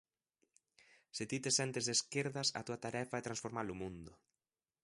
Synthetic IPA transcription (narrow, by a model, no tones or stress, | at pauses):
sɪt̪it̪esɛnt̪ezðeskeɾðɐsɐ̰t̪uɐt̪aɾɛfaɛt̪ɾansfoɾmalʊmũnd̪ʊ